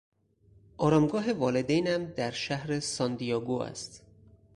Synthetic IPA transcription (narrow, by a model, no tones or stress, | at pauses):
ʔɒːɾɒːmɡɒːɦe̞vɒːled̪ejnæmd̪æɾʃæhɾesɒnd̪ijɒːɡuːæ̰st̪